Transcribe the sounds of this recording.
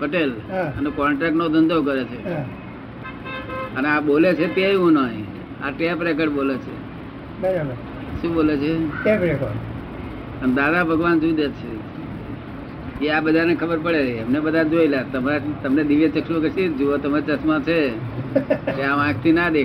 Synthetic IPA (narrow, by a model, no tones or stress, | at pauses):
pəʈelɦãənekɔɳʈɾɛk̚ʈnod̪ʱənd̪ok̬əɾet͡ʃʰeɦã | əneaɓolet͡ʃʰet̪eiũnəĩ | a̰ʈepɾek̬əɽbolet͡ʃʰḛ | bəɾa | ʃũɓolet͡ʃʰeebɾekʰo | ənd̪ad̪abʱəɡʋand͡ʒũd̪et͡ʃʰe | eabəd̪ʱanekʰəbəɾpəɭeɾəiəmnebəd̪ʱad͡ʒoilat̪əmat̪əmned̪iʋjət͡ʃəkʃiokesid͡ʒuot̪əmaɾt͡ʃəsmãt͡ʃʰe | keaʋãkt̪ʰinad̪e